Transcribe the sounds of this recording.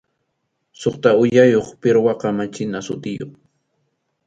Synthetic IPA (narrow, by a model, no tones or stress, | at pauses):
soχt̪aʊjajoχpɪɾwɑqɑmat͡ʃɪnasʊt̪ɪjo̰ŋ